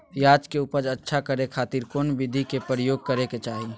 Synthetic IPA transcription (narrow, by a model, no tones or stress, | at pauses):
jaːd͡ʒkeupəɾətːʃʰakəɾekʰaːt̪iɾkoːnbɪd̪ʱikepɾjoːɡ̚kəɾeket͡ʃaːɦi